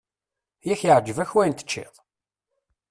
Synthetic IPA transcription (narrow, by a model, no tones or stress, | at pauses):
jæçjəʕd͡ʒːəvæçwæjnt̪ə̥t͡ʃːɪ̰ðˤ